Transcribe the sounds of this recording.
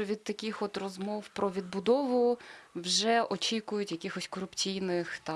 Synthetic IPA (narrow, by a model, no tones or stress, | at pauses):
ɔʋʲid̪̚t̪ɐkʲixɔt̪rɔzmɔwpɾɔʋʲid̪̚bʊd̪ɔʋʊwʒɛʔɔt͡ʃʲikʊjʊtʲjɐkʲixɔsʲkɔɾʊpt͡sʲijnɪxt̪ɑ